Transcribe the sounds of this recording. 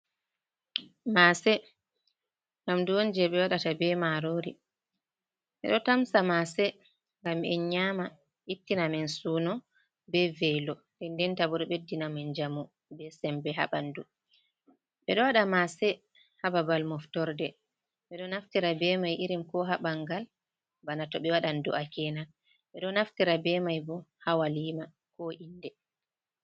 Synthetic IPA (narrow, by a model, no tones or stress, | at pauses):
masɛ | ŋɡamduond͡ʒɛɓɛwaɗatabɛmaɾoɾi | ɓɛ̰ɗɔtamsamasɛ | ŋɡamɛ̰nɲama | itːinamɛnsuːnɔ | bɛvɛjlɔ | dɛndɛntabuɗɔɓedːinamɛnd͡ʒamu | bɛsɛmbɛɦa̰ɓandu | ɓɛɗɔwaɗamasɛ | hababalmɔftɔɾdɛ | ɓɛɗɔnaftiɾabɛmajʔiɾimkɔɦaɓaŋɡal | banatɔɓɛwaɗanduʔakɛna | ɓɛɗɔnaftiɾabɛmajbɔhawaliːma | kɔʔindɛ